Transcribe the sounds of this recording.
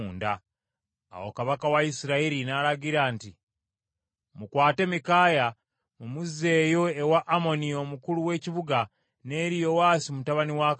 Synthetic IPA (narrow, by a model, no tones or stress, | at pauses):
nda̰ː | wo̰kaβakawaisiɾaiɾinaɾaɟiɾaːnti | mukwaːte̞mikaːja | mumuze̞ːjo̞ewaʔːmo̞nio̞mukuluwe̞ːciβuɡa | ne̞ːɾijo̞waːsimutaβaniwak